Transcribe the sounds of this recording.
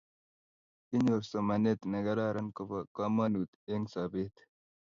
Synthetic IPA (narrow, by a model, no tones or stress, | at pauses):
inɐɾsomɐnet̪nɐɡɐɾaːɾɐnkopɐkaːmaːnuːt̪eŋɡsaːbet̪